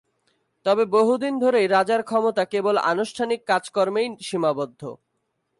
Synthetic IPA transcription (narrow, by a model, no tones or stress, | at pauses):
t̪ɔbeboɦud̪ind̪ʱoɾejɾad͡ʑaɾkʰɔmot̪akebola̰nuʃʈʰanikːad͡ʑkɔɾmejʃimabod̪ʱːo̰